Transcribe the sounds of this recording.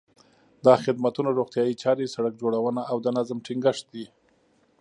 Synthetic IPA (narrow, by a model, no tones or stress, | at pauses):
d̪ɑxɪd̪mat̪unaɾoɣt̪jɑjit͡ʃɑɾesaɽak̚d͡ʒoɽawənaːwd̪ənazmʈɪŋɡəʂt̪̚d̪i